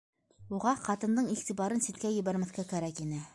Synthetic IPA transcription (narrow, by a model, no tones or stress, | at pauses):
uʁɑqɑt̪ɤ̆nd̪ɤɴiʁt̪ibɑɾɤnsit̪̚kæjɘ̆βæɾmæ̆θkækæɾækinɘ